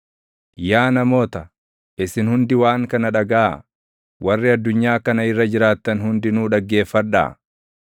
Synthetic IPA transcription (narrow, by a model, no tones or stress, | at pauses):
jaːnɐmo̞ːt̪ɐ | ʔɪsɪnhʊnd̪ɪwaːŋkɐnɐᶑɐɡaː | wɐrːɪɐd̪ːʊɲːaːkɐnɐɪrːɐd͡ʒɪɾaːt̪ːɐnhʊnd̪ɪnuːᶑɐɡːe̞ːfːɐᶑa̰ː